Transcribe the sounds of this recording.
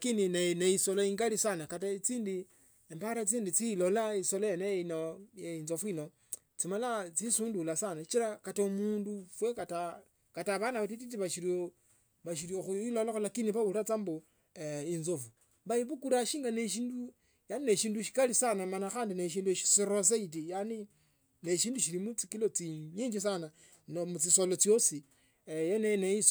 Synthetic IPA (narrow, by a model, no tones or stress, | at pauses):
kinineneisoloiːŋɡalisanakatat͡siːndi | empaɾat͡siːndit͡silolaisolojenejeinojeinzo̞fuino | t͡simalat͡sisuːndulasanait͡ʃiɾakataumuːndufwekata | kataβanaatititiβaʃiɾo | βaʃiɾioxuiloloxolakiniβauɾat͡sambo | inzofu | βaiβukuɾaʃiːŋɡaneʃiːndu | janineʃiːnduʃi̥kalisanamanaxaːndineʃ̬iːnduʃi̥siɾos̬ait̬ijani | ne̞ʃiːnduʃilimut͡sikilot͡siɲiɲd͡ʒis̬ana | nomut͡sisolot͡sjosi | jeneneis